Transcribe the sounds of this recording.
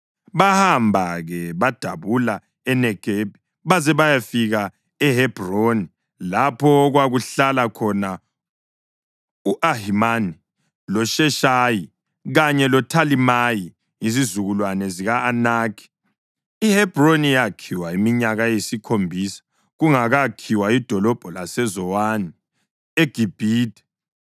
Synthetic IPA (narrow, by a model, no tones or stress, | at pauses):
βahambʱaɣɛβad̥ʱaβula | ɛnɛɡ̥ʱeb̥ʱi | βazɛβajafiɣa | ɛhɛb̥roni | lapʰɔɣwaɣuɬalakʰɔna | uʔaɦimani | lɔʃɛʃaji | ɣaɲɛlɔtʰalimaji | izizuɣulwanɛziɣaːnaːkʰi̥ | ihɛb̥ronijakʰiwaimiɲaɣajesikʰombʱiːsḁ | ɣuŋaɣakʰiwaid̥ʱɔlɔb̥ʱɔlasɛzɔwani | eɡ̥ʱib̥ʱiːdʱɛ̥